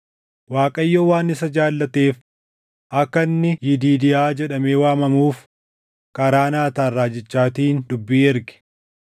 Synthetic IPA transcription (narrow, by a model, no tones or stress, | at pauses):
waːkʼɐjːoːwaːnɪsɐd͡ʒaːlːɐt̪eːf | ʔɐkːɐnːɪjɪd̪iːd̪ɪjaːd͡ʒɛᶑɐme̞ːwaːmɐmuːf | kɐɾaːnaːt̪aːrːaːd͡ʒɪt͡ʃːaːt̪iːnd̪ʊbːiːɛɾɡɪ̥